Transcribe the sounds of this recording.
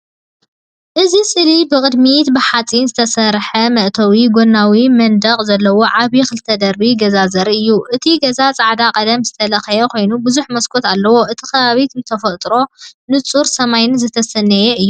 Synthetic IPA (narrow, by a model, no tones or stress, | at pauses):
ʔɨzisʼɨlibɨkʼɨd̪mit̪bɨħat͡sʼinzɨt̪ʰɐsɐɾħɐmɐʔt̪ʰɐwiɡo̞nːawimɐnd̪ɐqʼzɐlːɐwo̞ʕaβikʰɨlɨt̪ʰːɐd̪ɐɾbiɡɐzazɐɾɨjːuʔɨt̪ʰiɡɐzat͡sʼaʕd̪akʼɐd̪ɐmzɨt̪ʰɐlɐxɐjɛkʰo̞jnubɨzuħmɐskʰo̞t̪alːɐwo̞ʔɨt̪ʰi̥kʰɐβaβit̪nɨt̪ʰɐfɐt̪ʼɾo̞nɨt͡sʼuɾsɐmajnzɨt̪ʰɐsɐnːɐjeʔɨjːu